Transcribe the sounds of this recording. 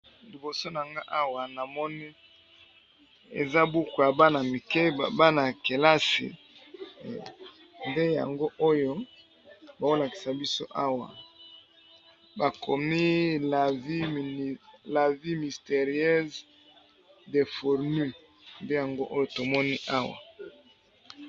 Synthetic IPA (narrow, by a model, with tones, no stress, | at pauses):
li˨bo˨so˦na˨ŋɡa˦ʔa˦wa˨na˨mɔ˦ni˦ | ḛ˨za˦bu˦ku˨ja˨ba˦na˨mi˨ke˦˨ba˦na˨ke˨la˦sḭ˨ | nde˦ja̰˨ŋɡo˦ʔo˦jo˦ | ba˨o˦la˨ki̥˨sa˨bi˦so˦ʔa˦wa̰˨ | ba˨kʰo˨mi˦la˨vi˦m˨la˨vi˦mi˨ste˨ʁjɛ˦z | de˨fo˨ʁny˦ | nde˦ja˨ŋɡo˦ʔo˦jo˦to˨mɔ˦ni˦ʔa˦wa̰˨